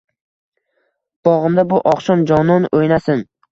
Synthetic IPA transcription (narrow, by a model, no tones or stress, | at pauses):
b̥ɒʁɨmd̪abʊʔɒqʃɒnd͡ʒɒnɒnojnasɪn